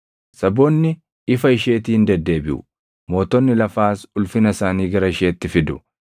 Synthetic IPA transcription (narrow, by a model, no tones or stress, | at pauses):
sɐbɔnːɪ | ɪfɐɪʃe̞ːt̪iːhɪnd̪ɛd̪ːe̞ːbɪʔʊ̰ | mo̞ːt̪ɔnːɪlɐfaːsʊlfɪnɐsaːniːɡɐɾɐɪʃe̞ːt̪ːɪfɪd̪ʊ